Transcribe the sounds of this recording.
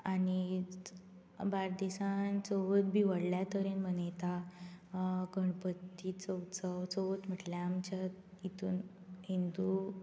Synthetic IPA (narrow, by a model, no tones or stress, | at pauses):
ani | baɾd̪esant͡səʋət̪bʱiʋəɽljat̪əɾenm̤ənet̪a | ɡʱəɳpət̪ːiːt͡səwt͡sət͡səʋət͡s̪m̤əʈljaːmt͡ɕa | it̪uːn | ɦind̪u